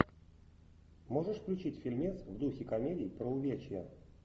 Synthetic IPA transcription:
moʐɨʂfklʲʊt͡ɕitʲfʲilʲmʲet̪svd̪uxʲɪkɐmʲedʲɪjpɾəʊvʲet͡ɕɪjə̰

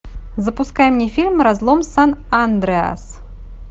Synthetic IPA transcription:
zɐpuskajɛmnʲɛfʲilʲmrazlˠɔmsanand̪ɾɛa̰s

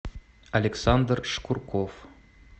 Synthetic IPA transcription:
ɐlʲeksand̪rʂkurkof

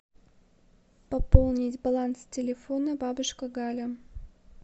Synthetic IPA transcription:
pɐpolˠnʲɪtʲbɐlˠanstʲɪlʲɪfonəbabɨʂkəɡalʲə

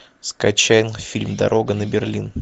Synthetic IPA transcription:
skɐt͡ɕæjɪnfʲilʲmd̪ɐ̰ɾʔo̞ɡənəbʲɪrlʲin

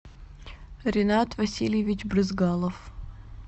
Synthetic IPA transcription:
ɾʲɪnat̪vɐsʲilʲjɪvʲɪt͡ɕbɾɨzɡalˠəf

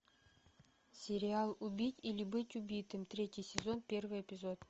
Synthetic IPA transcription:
sʲɪɾʲɪalˠubʲitʲilʲɪbɨtʲubʲijt̪ɨmt̪ɾʲetʲijsʲɪzo̞npʲe̞rvɨjepʲɪzo̞t̪

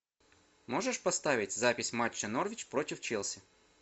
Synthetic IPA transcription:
mɔʐɛʂpɐst̪ɑʋʲɪtʲzapʲɪsʲmat͡ʃːɐnɔrʋʲit͡ʃpɾɔtʲɪwt͡ʃɛlˠsʲɪ

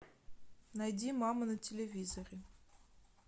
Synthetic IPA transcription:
najdʲimɑmənətʲɪlʲevʲizoɾʲɪ

